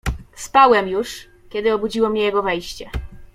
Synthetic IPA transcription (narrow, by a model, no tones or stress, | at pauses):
spawɛmjuʂ | kʲɛd̪ɘɔbud͡ʑiwɔmɲɛjɛɡɔvɛjɕt͡ɕɛ